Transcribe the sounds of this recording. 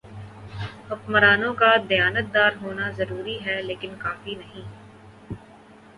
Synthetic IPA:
hʊkməɾaːnõkad̪ɐjaːnət̪̚d̪aːɾɦoːnazɐɾuːɾiɦɛleːkɪnkaːfinɐɦĩː

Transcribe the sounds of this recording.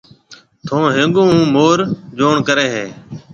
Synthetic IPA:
t̪ʰõːɦẽːɠõːũːmoːɾd͡ʒoːɳkəɾeːɦeː

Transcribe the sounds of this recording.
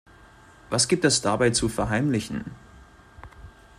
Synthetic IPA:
vasɡ̥iːp̚tɛsd̥abaɪt͡sufɛɐɦaɪmlɪçn̩

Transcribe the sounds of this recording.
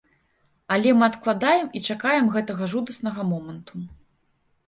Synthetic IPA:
ɐlʲɛmɨɐt̪klˠad̪ajɛmit͡ʂakajɛmɣɛt̪ɐɣɐʐud̪ɐsnɐɣɐmɔmɐnt̪u

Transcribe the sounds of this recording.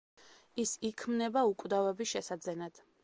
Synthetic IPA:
isikʰmnɛbaukʼvd̪avɛbiʃɛsad̪zɛnad̪̥

